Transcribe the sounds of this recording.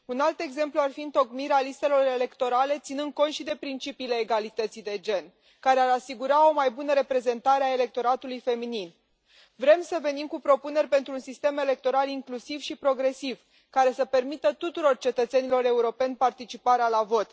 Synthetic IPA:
unalt̪e̞ɡze̞mpluarfiɨnt̪o̞kmiɾealist̪e̞lo̞ɾe̞le̞kt̪o̞ɾale̞t̪sinɨnd̪̚ko̞nt̪ʃid̪e̞pɾint͡ʃipiːle̞ːɡalit̪ət̪sijd̪e̞d͡ʒe̞n | kaɾe̞aɾasiɡuɾao̞majbunəɾe̞pɾe̞ze̞nt̪aɾeaele̞k̚t̪o̞ɾat̪ulujfe̞minin | vɾe̞msəve̞nimkupɾo̞pune̞rʲpe̞nt̪ɾuːnsist̪e̞me̞le̞k̚t̪o̞ɾaliŋklusivʃipɾo̞ɡɾe̞siv | kaɾe̞səpe̞rmit̪ət̪ut̪uɾo̞rt͡ʃe̞t̪ət̪se̞nilo̞ɾe̞uɾo̞pe̞nʲpart̪it͡ʃipaɾealavo̞t̪

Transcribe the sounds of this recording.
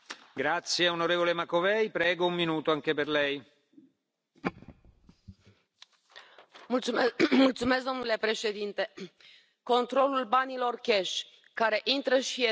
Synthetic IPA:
ɡɾat̪sːjeonoɾeːvolemakovɛjpɾɛːɡoummːinuːt̪oaŋkeperlɛj | mut̪umult̪sumeskɡd̪o̞mnule̞pɾe̞ʃe̞d̪int̪e̞ | ko̞nt̪ɾo̞lulbanilo̞rkʲeʃ | kaɾe̞ʔint̪ɾəʃie

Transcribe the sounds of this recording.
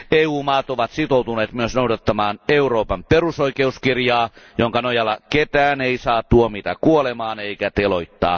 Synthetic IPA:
eːuːmɑːt̪oʋɑt̪sit̪out̪uneːt̪myøsnoudɑt̪ːɑmɑːneuroːpɑmperusoikeuskirjɑːjoŋkɑnojɑlːɑket̪æːneisɑːt̪t̪uomit̪ækuolemɑːneikæt̪eloit̪ːɑ̰ː

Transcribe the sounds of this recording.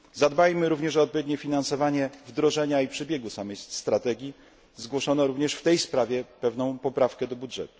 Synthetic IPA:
zad̪bajmɘɾuvɲɛʂɔːt̪̚pɔvʲed̪̚ʲɲɛfʲinansɔvaɲɛvd̪ɾɔʐɛɲaipʂɛbʲjɛɡusamɛjsst̪ɾat̪ɛɡʲi | zɡwɔʂɔnɔɾuvɲɛʂft̪ɛjspɾavʲjɛpɛvnɔ̃w̃pɔpɾafkɛd̪ɔbudʐɛ̰t̪u̥

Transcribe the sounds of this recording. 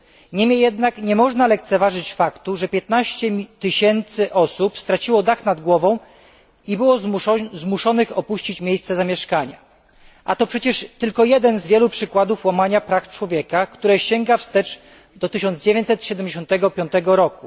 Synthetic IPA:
ɲɛmʲjɛjɛd̪nakɲɛmɔʐnalɛkt̪sɛvaʐɘt͡ɕfakt̪uʐɛpʲjɛt̪̚naɕt͡ɕɛt̪ɘɕɛnt̪sɘʔɔsupst̪ɾat͡ɕiwɔd̪axnad̪ɡwɔvɔ̃w̃ | ibɘwɔzzmuʂɔnɘxɔpuɕt͡ɕit͡ɕmʲjejst̪sɛzamʲjɛʂkaɲa | ʔat̪ɔpʂɛt͡ɕɛʂt̪ɘlkɔjɛd̪ɛnzvʲjɛlupʂɘkwad̪ufwamaɲapɾaft͡ʂwɔvʲjɛkakt̪uɾɛɕɛŋɡafst̪ɛt͡ʂ | d̪ɔt̪ɘɕɔnd̪zd͡ʑevʲẽɲt͡ɕ̪ʲsɛt̪ɕɛd̪ɛmd͡ʑeɕɔ̃nt̪ɛɡɔpʲjɔnt̪ɛɡɔɾɔku

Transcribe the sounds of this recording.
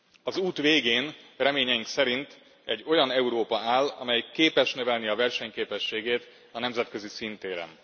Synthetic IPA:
ɒzuːt̪ʋeːɡeːnrɛmeːɲɛjiŋksɛɾint̪ | ɛɟːo̞jɒnɛuɾoːpɒaːlɒ̰mɛjkeːpɛʃnøvɛlniɒvɛrʃɛɲkeːpɛʃːeːɡeːt̪ | ɒnɛmzɛt̪køzisint̪eːɾɛ̰n

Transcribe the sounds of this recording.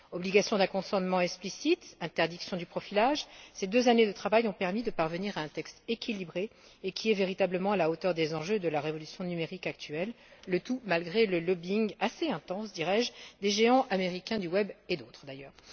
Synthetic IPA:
ɔbliɡasjɔ̃d̪ɛ̃kɔ̃sɑ̃nmɑ̃ɛksplisit̪ɛ̃t̪ɛʁd̪iksjɔ̃d̪ypχɔfilaʒsed̪øzaned̪ət̪χavajɔ̃pɛʁmid̪əpaʁvəniʁaɛ̃t̪ɛkst̪ekʲʰilibʁe | ekʲiɛveʁit̪abləmɑ̃alaot̪œʁd̪ezɑ̃ʒød̪əlaʁevɔlysjɔ̃nymeʁikak̚t̪ɥɛlː | ət̪umalɡʁeləlɔbiŋaseɛ̃t̪ɑ̃sd̪iʁɛʒd̪eʒeɑ̃ʔameʁikʲɛ̃d̪ywɛbed̪ot̪χd̪ajœːʁ

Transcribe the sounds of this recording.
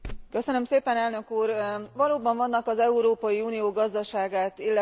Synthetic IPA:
kø̞sønømseːpɛnɛlnø̞kuːrvɒloːbɒɱvɒnːɒkɒzɛuɾoːpɒjiuːnijoːɡɒzd̪ɒʃaːɡaːt̪ilːɛ

